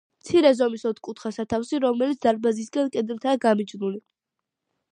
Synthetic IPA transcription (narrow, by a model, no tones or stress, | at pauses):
mt̪sʰiɾɛzɔmisɔt̪ʰkʼut̪ʰχasat̪ʰafsiɾɔmɛlit̪sd̪aɾbazis̬ɡankʼɛd̪ɾt̪ʰaːɡamid͡ʒnuli